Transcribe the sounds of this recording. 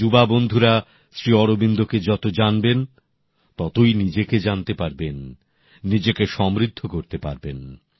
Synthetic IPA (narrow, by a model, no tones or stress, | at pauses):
ubabond̪ʱuɾa | sɾiɔɾobind̪oked͡ʑɔt̪od͡ʑanben | t̪ɔt̪ojnid͡ʑeked͡ʑant̪epaɾbenː | id͡ʑekeʃɔmɾid̪ʱːokoɾt̪epa̰ɾben